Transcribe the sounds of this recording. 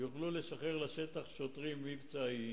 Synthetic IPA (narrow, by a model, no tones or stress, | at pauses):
juχluleʃaχeʁlaʃet̪aχʃo̞t̪ʁimːivt͡sai